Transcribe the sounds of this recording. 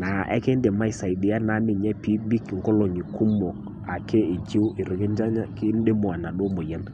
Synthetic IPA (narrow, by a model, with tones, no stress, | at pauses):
na˨ʔɛ̰˦ke˦nde˨ma˦ɪ˨sa˨ɪ˨dɪ˨˦a˦na˨˦mɪ˦˨ɲɛ˦pi˦bi˦kŋkɔ˦lɔ˨ɲi˨ku˦mɔ˨k | a˨ke˦ɪ˨d͡ʒi˦wɪ˨ɾi˨ɡɪ˦nd͡ʒa˦ɲa˦kɪ˦n˦de˦mo˨a˨na˨ɗo˦mo˨ja˦n